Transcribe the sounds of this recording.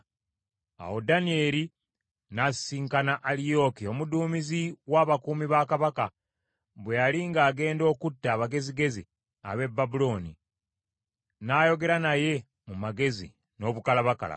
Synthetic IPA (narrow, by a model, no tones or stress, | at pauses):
a̰wo̞danie̞ːɾi | nassiːŋkanaʔalijo̞kio̞muduːmiziwaːβakuːmiβakaβaka | βwejaliŋɡaːɡe̞ːndo̞ːkutːaːβaɡe̞ziɡe̞zḭ | a̰βe̞bːabulo̞nḭ | naːjo̞ɡe̞ɾanaje̞ | mumaɡe̞zḭ | no̞ːβukalaβaka̰la̰